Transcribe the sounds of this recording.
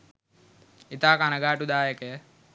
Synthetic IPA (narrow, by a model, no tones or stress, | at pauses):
it̪aːkanəɡaːʈud̪aːjəkəjə